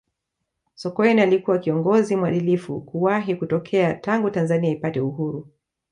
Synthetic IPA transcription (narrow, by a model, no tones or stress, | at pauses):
sɔkɔɛnialikuwakiɔŋɡɔzimwaɗilifṵkuwaɦikutɔkʰɛataŋɡutanzaniaipatɛuɦuɾu